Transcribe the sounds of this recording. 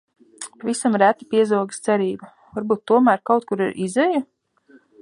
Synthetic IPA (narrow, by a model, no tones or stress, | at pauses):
pavisamɾæt̪i̥piɛzuɔɡst̪sɛɾiːbu | vaɾbuːt̪ːuɔmæːɾkawt̪̚kuɾiɾʔizɛju